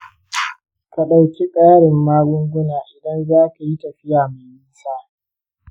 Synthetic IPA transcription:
ka˨ɗa˨wkʲi˦kʼaː˦ɽɪ˨mːaː˦ɡʷʊ˦ŋɡʷʊ˦naː˨ʔɪ˨dɐ˦nzaː˦ka˨ji˦tɐ˨ɸɪ˦jaː˨ma˨miː˦saː˦

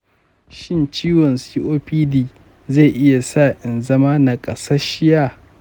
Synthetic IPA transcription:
ʃɪ˦nt͡ʃiː˦wɔ˨nsiː˦ʔoː˦ɸiː˦diː˨ | za˦˨ʔɪ˦ja˨saː˦˨ʔɪ˨nzɐ˦maː˦na˨kʼɐ˨sa˦ʃɪ˦jaː˦

